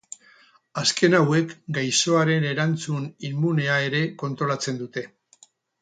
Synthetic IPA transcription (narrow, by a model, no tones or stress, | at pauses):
aske̞nawe̞kɡajso̞aɾe̞ne̞ɾant͡sunimːune̞ae̞ɾe̞ko̞nt̪ɾo̞lat͡se̞nd̪ut̪e̞